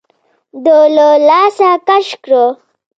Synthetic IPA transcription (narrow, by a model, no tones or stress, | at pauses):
d̪ololaːsakaʂkɾo